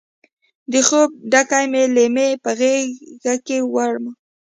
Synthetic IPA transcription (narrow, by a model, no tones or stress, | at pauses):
d̪əxob̚ɖakajmelemepəɣeɡakewaɽma